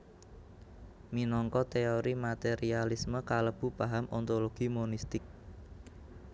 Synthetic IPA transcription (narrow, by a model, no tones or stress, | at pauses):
minɔŋkɔt̪eoɾimat̪eɾialisməkaləb̥ṳpaɦamʔɔnt̪oloɡ̥imonist̪ɪk̚